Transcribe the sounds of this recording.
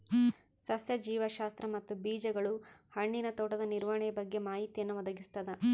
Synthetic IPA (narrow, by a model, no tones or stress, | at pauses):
sɐsjɐd͡ʒiːʋɐʃaːst̪ɾɐmɐt̪ːubiːd͡ʒɐɡɐɭuhɐɳːinɐt̪ɔːʈɐd̪ɐniɾʋɐɳɛjɐbɐɡːe̞maːɦit̪ijɐnːuʋɔd̪ɐɡist̪ɐd̪ɐ